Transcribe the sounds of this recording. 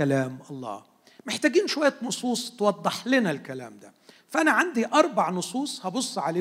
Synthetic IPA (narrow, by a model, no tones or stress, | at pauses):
ælæːmʔɑlˤːɑ̰ː | meħt̪æːɡiːnʃowæjːænosˤuːsˤt̪wɑd̪ˤːeħlenælkælæːmd̪æ | fæʔænæʕand̪iʔɑɾˤbaʕnosˤuːsˤhɑbosˤːʕaleː